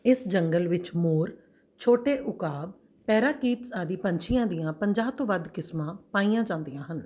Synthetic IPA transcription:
ɪsd͡ʒəŋɡəlʋɪt͡ʃmoːɾ | t͡ʃʰoːʈeːʔʊkaːb̚ | pɛːɾaːkiːt̪saːd̪iːpəɲt͡ʃʰijãːd̪ijãːpəɲd͡ʒaːt̪õːʋəd̪kɪsmãːpaːiːãːd͡ʒãːnd̪ijãːɦən

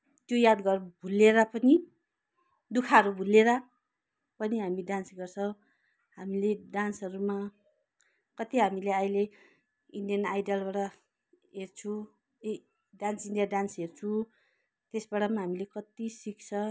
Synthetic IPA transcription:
t̪jojad̪ɡʌrbʱuleɾʌpʌni | d̪ukʰaʌɾubʱuleɾʌ | pʌniɦamiɖansɡʌrt͡sʰʌw | ɦamileɖansʌɾuma | kʌt̪iɦamileʌjle | iɳɖijʌnajɖʌlbaɽʌ | ɦert͡sʰũ | ɖansiɳɖijaɖansɦert͡sʰũ | t̪esbaɽamaɦamilekʌt̪isik̚t͡sʰʌ

